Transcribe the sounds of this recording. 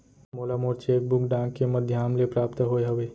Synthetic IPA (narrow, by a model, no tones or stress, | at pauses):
moːlamoːɾt͡ʃeːk̚bʊkɖãŋkkeməd̪ʱjaːmlepɾaːpt̪ɦoeɦɐʋeː